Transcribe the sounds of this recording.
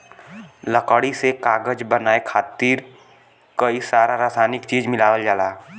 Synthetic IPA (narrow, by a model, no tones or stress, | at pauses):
ləkəɽisekaːɡəd͡ʒbənaːekʰaːt̪iːɾ | kəisaːɾaɾaːsaːnɪkt͡ʃiːd͡ʒmɪlaːʋəld͡ʒaːlaː